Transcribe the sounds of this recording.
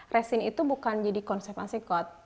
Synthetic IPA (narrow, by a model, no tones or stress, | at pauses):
rɛsinit̪ubukand͡ʒadikɔnsɛfansikɔt̪̚